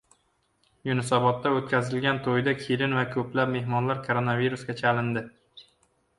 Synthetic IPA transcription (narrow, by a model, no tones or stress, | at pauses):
jʊnɪsɒbɒt̪ːaot̪̚kʲʰazɪlɡʲant̪ʰojd̪akʲʰiɾɪnvakʰɵplapme̞hmɒnlaɾkʰoɾonaviɾusɡʲat͡ʃʰalɪnd̪ɪ